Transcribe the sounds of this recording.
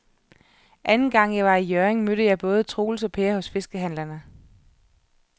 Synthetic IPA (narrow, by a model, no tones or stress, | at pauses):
ʔænn̩ɡ̥ɑ̈ŋ̰jɑ̈ɪʋɑ̈ijøɐeŋmøɾ̥əjɑ̈ɪb̥ɔ̽ːð̞̩ˠət͡sʰʁo̝̰ːl̩sɒ̽pʰeːɐhɔ̽sfe̝sɡ̥əɦæn̰lɐnə